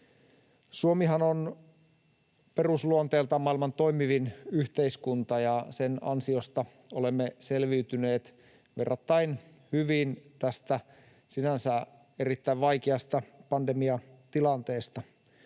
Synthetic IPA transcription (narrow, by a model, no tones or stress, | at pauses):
suomiɦɑnon | pe̞rusluont̪eːlt̪ɑmɑilmɑnt̪o̞jmiʋinyht̪eiskunt̪ɑjɑsenɑ̰nsio̞st̪ɑ | olemːeselʋiyt̪yne̞ːt̪ | ʋe̞rːɑt̪ːɑin | hyʋiːnt̪æst̪æ | sinænsæ | e̞ɾit̪ːæiʋʋɑjk̟eɑst̪ɑpɑndemiɑt̪ilɑnt̪eːst̪ɑ